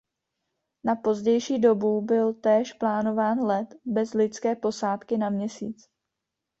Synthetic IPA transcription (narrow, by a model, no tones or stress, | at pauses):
napo̞zɟɛjʃiːdo̞bubɪlt̪ɛːʃplaːno̞vaːnlɛt̪bɛzlɪt͡skɛːpo̞saːt̪kɪnamɲɛsḭːt͡s